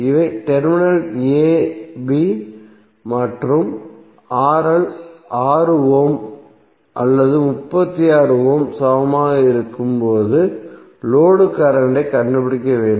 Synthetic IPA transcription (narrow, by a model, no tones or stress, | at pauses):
ɪʋɐɪʈɛɾmɪnɐleːbi | mɐʈrɯm | aːɾɐlʔaːɾɯoːm | ʔɐlːɐðɯmʊpːɐt̪ːijaːɾɯʋoːmsaʋɐmaːɣɐɪɾɯkːɯmpoːðɯ | loːɽɯkːɐɾɐɳɖɐɪkɐɳɖɯpɪɽɪkːɐʋeːɳɖɯm